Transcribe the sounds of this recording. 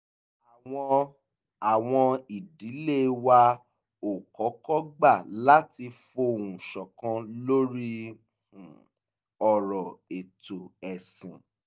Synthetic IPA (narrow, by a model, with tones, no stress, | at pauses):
a˨ɔ˧ | a˨w̃ɔ̃˧i˨di˨˦le˦˨wa˧ | o˨kɔ˨˦kɔ˦ɡ͡ba˦˨la˦ti˧fo˧˨ũ˨ʃɔ˨kã˧lo˦ɾi˦ | hũ˨ | ɔ˨ɾɔ˨e˨to˨ɛ˨sĩ˨